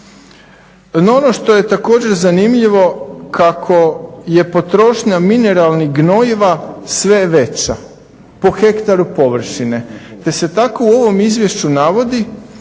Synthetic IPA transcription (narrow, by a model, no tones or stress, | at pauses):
nono̞ʃt̪o̞je̞t̪ako̞ːd͡ʑe̞ɾzanimʎiʋo̞kʰakʰo̞je̞po̞t̪ɾo̞ʃɲamine̞ɾalˠniɡno̞jiʋasʋe̞ʋe̞t͡ɕa | po̞xe̞kt̪aɾupo̞ʋr̩ʃine̞t̪e̞se̞t̪ako̞uo̞ʋo̞mizʋjeʃt͡ɕunaʋo̞d̪i